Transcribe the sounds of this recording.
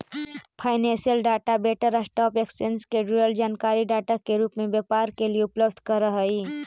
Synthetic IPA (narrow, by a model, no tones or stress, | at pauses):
pʰaɪnẽnsijəlɖaʈabeʈəɾəsʈɔpeksenskeɖɾiɾəld͡ʒaːnkaɾiɖaʈakeɾupmebjepaɾkelieupləbd̪ʱkəɾəɦəi